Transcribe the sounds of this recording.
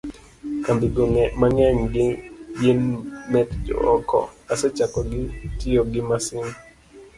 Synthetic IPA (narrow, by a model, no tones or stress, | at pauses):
kambiɡɔŋɛmaŋaɲɡɪjenmɛtd͡ʒɔ̰ɔkɔ̰asɛt͡ʃakɔɡɪtɪɔɡɪmasɪn